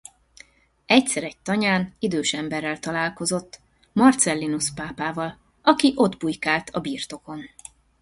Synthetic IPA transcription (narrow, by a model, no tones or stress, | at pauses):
ɛcsɛɾɛɟ̚t̪ɒɲaːnid̪øːʃɛmbɛrːɛlt̪ɒlaːlko̞zo̞t̪ː | mɒrt̪sɛlːinuspaːpaːvɒl | ɒkiʔo̞d̪bujkaːlt̪ʰɒbiːrt̪o̞ko̞n